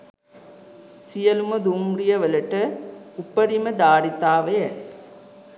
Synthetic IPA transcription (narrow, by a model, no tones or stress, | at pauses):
sijɐluməd̪umɽijɐʋələʈəupːəɾiməd̪aːɾit̪aːʋejɐ